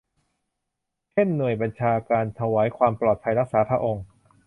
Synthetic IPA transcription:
t͡ɕʰe˥˩nːɯ˨˩əjba˧nt͡ɕʰaː˧kaː˧nt̪ʰa˧waː˩˦˥jkʰwaː˧mplɔː˨˩t̪̚pʰa˧jɾa˦˥k̚saː˩˦˥pʰɾa˧ʔo˧ŋ

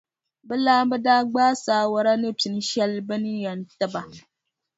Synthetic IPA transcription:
bɨ˦laː˦bɛ˦daː˦ɡ͡baː˦saː˦wa˨ɾa˦nɨ˦ti˨n˦ʃɛ˦lbɨ˦nɨ˦jɛ˨ntɨ˦ba˨

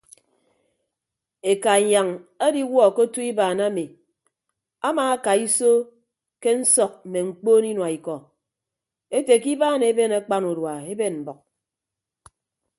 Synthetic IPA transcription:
e˨ka˨ɲa˨ŋa˦di˦wɔ˦˨ko˦tu˦i˦baː˨na˦mi˨ | a˦maː˨a˦ka˨i˦so˦ | ke˦n̩˦sɔ˨k̚m̩˨me˨ŋ͡m̩˦k͡poː˦ni˦nwa˨i˨kɔ˨ | e˦te˨ki˦baː˦ne˨˦be˦na˦k͡pa˦nu˨dwa˨e˦be˦˨nm̩˨bɔ˨k̚

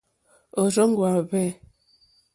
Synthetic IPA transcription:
o˨zo˦ŋ̩˦ɡwa˨bɛ˦˨

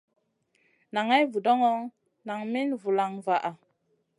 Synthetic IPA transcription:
na˨ŋa˦jvu˨dɔ˦ŋɔ˦ŋ | na˨ŋmi˦nvu˨la˨ŋva˨ʔa˨

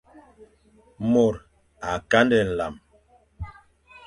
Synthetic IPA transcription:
mo˨ɾ | a˨ka˦ndɛ˨n̩˨la̰˨m

